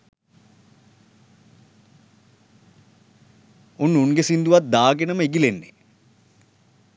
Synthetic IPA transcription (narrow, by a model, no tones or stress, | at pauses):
unːunɡesind̪uʋat̪̚d̪aːɡenəməeɡilenːe